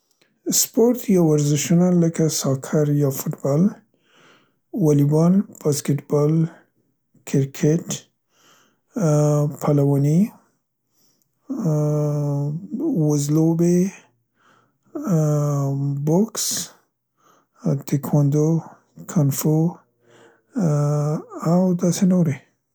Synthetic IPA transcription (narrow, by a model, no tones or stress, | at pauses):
spoɾt̪jawaɾzɪʃunaləkasɑkʰaɾjɑfʊʈbɑl | walibɑlb̥askeʈbɑl | kʰɪɾkʰeʈ | pʰalawɑni | wazlobe | bʊks | t̪ikʰwand̪o | kʰanfo | awd̪asenoɾe